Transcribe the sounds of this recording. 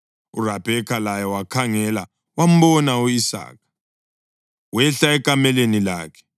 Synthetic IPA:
ṵrab̥ʱɛkʰalajɔwakʰaŋɛla | wam̩bɔnauisa̰ːk̚ʰḁ | wɛɬaɛkʼamɛlenila̰ːkʰɛ̥

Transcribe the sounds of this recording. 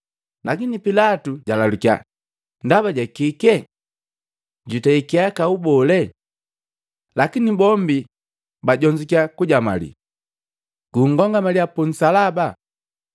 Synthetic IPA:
lakinipilatuɟalalukia̰ | ndaβaɟakikɛ | ɟutɛikiakaubɔlɛ | lakinibɔmbi | baɟɔɲd͡ʒikiakuɟama̰lḭ | ɡ̥uŋ̩ɡɔŋɡamaliapun̩salaba

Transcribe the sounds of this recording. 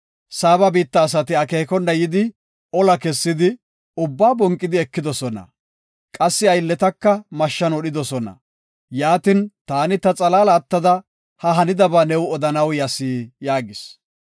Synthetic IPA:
saːbɐbiːt̪ːɐːs̬ɐt̪ɪɐkeːkɔnːɐjɪd̪ɪ | ɔlɐkɛsːɪd̪ɪ | ʊbːaːbɔŋkʼːɪd̪ɪɛkːɪd̪ɔsɔnɐ̰ | kʼɐsːɪɐjlːɛt̪ɐkːɐmɐʃːɐnɔɗɪd̪ɔsɔnɐ̰ | jaːt̪ɪnt̪aːnɪt̪ɐt͡sʼɐlaːlɐːt̪ːɐd̪ɐ | hɐɦɐnɪd̪ɐbaːnɛwɔd̪ɐnɐwjɐsiːjaːɡɪs

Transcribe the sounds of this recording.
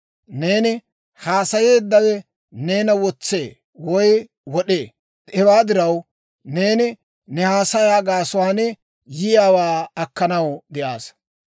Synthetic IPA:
ne̞ːnɪ | haːsɐje̞ːd̪ːɐwɛ | ne̞ːnɐwɔt͡sːḛː | wɔj | wɔɗeː | ɛwaːd̪ɪɾɐw | ne̞ːnɪ | nɛhaːsɐjaːɡaːsʊwaːnɛ | jɪjaːwaːɐkːɐnɐwd̪ɛʔaːs

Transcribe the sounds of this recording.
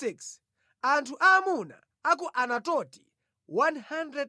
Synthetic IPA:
iks | antʰuʔamuna̰ | ak̬ɔʔanatɔti | wanhandɾɛd

